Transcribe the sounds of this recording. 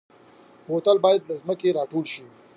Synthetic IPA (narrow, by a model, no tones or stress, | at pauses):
hoːt̪əlbɑːjəd̪lazməkeɾɑːʈoːlʃi